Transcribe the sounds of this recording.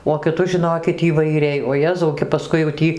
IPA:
oː kʲɪˈtʊs ʒʲɪˈnoːkʲɪt iːʋɐɪˈrʲɛɪ oː ˈjæːzɐʊ kʲɛ pɐˈskʊɪ jɛʊ ˈtʲiː

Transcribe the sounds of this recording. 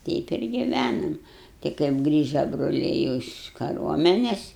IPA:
ˈtʲɛɪp ɪr ɡʲɪˈʋʲænɐm tʲɪ kɐɪp ˈɡrʲiːʒɐ broːˈlʲɛɪ jɛʊ ɪʃ kɐˈruɔmʲɛnʲɛs

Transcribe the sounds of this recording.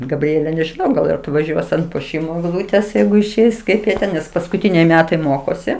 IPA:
ɡɐbʲˈrʲiɛlʲɛ nʲɛʒʲɪˈnɐʊ ˈɡɐlˠ ɪr ɐtʋɐˈʒʲuɔs ɐnt puɔˈʃʲiːmoː ɛɡˈlˠuːtʲeːs ˈjɛɪɡʊ ɪʃʲˈɛɪs ˈkɐɪp jiɛ ˈtʲɛn nʲɛs pɐskʊˈtʲiːnʲɛɪ ˈmʲæːtɐɪ ˈmoːkoːsʲɪ

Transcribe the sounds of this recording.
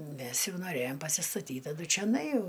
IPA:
ˈmʲɛs ˈjɛʊ noːˈrʲæjoːm pɐsʲɪstɐˈtʲiːt tɐˈdʊ t͡ʃʲoːˈnɐɪ ˈjɛʊ

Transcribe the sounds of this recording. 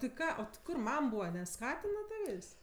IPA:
tʲɪ ˈkɑː oː tʲɪ ˈkʊr ˈmɐm ˈbuːʋɐ nʲɛˈskɑːtʲɪnɐ ˈtɑːʋʲeːsʲ

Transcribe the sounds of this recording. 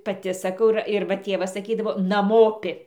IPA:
pɐˈtʲɪ sɐˈkɐʊ ɪr ɪr ˈʋɐ ˈtʲeːʋɐs sɐˈkʲiːdɐʋoː nɐˈmoːpʲɪ

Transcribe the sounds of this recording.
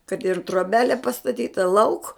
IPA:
kɐt ɪr troːˈbʲæːlʲeː pɐstɐˈtʲiːtɐ lˠɐʊk

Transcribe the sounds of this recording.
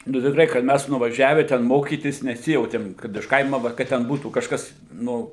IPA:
nʊ tʲɪkˈrɐɪ kɐt ˈmʲæs nʊʋɐˈʒʲæːʋʲɛ tʲɛn ˈmoːkʲiːtʲɪs nʲɛˈsʲɪjɛʊtʲeːm kɐt ɪʃ ˈkɐɪmɐ ˈʋɐ kɐt tʲɛn ˈbuːtuː kɐʃˈkɐs ˈnʊ

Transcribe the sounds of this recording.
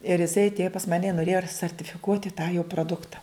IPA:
ɪr ɪˈsɐɪ ɐtʲˈeːjoː pɐs ˈmɑːnʲɛ ɪ noːˈrʲeːjoː ɐr sɐrʲtʲɪfʲɪˈkuɔtʲɪ tɑː joː proːˈdʊktɐ

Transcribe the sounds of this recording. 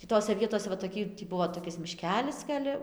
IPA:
tʲiː ˈtoːsʲɛ ˈʋʲiɛtoːsʲɛ ʋɐ toːˈkʲiː tʲiː ˈbʊʋoː toːˈkʲɪs mʲɪˈʃʲkʲæːlʲɪs ɡɐlʲ

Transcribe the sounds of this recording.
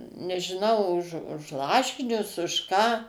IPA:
nʲɛʒʲɪˈnɐʊ ʊʃ ʊʃ ˈlˠɑːʃʲɪnʲʊs ʊʃ ˈkɑː

